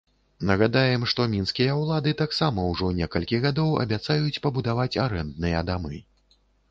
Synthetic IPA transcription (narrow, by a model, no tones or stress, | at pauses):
nɐɣad̪ajɛmʂt̪ɔmʲinskʲijɐwlˠad̪ɨt̪aksamɐwʐɔnʲɛkɐlʲkʲiɣad̪ɔwɐ̰bʲat̪sajut͡sʲpɐbud̪avat͡sʲaɾɛnd̪nɨjɐd̪amɨ